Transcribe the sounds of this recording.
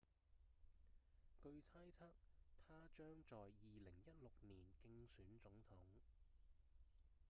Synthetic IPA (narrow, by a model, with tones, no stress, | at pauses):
kɵ˧ɥt͡sʰaː˥jt͡sʰaː˥k̚t̪ʰaː˥t͡ʃœː˥ŋt͡sɔː˨jːiː˨lɪ˨˩ŋjɐ˥t̚lʊ˨k̚niː˨˩nkɪ˧ŋsyː˨˥nt͡sʊ˨˥ŋt̪ʰʊ˨˥ŋ